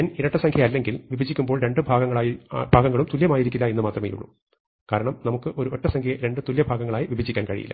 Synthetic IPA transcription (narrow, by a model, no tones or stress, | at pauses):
ɐniɾɐʈːɐsɐŋkʰjɐɐlːe̞ŋɡilʋibʱɐd͡ʑːikʲːumbo̞ːɭɾe̞ɳɖɨbʱaːɡɐŋːɐɭaːjibʱaːɡɐŋːɐɭumt̪uljɐmaːjiɾik̬ʲːilːɐenːɨmaːt̪rɐmḛːjṵɭːṵ | kaːɾɐɳɐmnɐmukːɨʔo̞ɾuʔo̞tːɐsɐŋkʰjɐɐɾe̞ɳɖɨt̪uljɐbʱaːɡɐŋːɐɭaːjiʋibʱɐd͡ʑːikʲːaːnkɐɻḭjḭlːɐ̰